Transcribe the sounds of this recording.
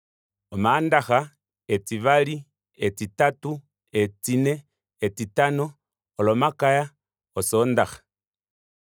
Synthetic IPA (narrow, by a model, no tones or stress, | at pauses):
omaːndaxa | et͡siβali | et͡sitatu | et͡sinɛ | et͡sitanoː | lomakaja | osondaxḁ